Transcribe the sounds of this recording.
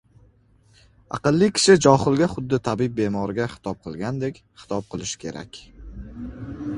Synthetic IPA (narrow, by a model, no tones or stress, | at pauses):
ɑ̰qɨlˠːikʲʰɪ̥ʃɪd͡ʒɒχɨlˠɡʲaχʊd̪ːɪt̪ʰabɪb̚be̞mɒɾɪɡʲaχɪ̥t̪ʰɒp̚qʰɨlˠɡʲand̪e̞kʲχɪ̥t̪ʰɒp̚qʰɨlˠɪʃɪ̥kʲʰe̞̰ɾa̰kʲ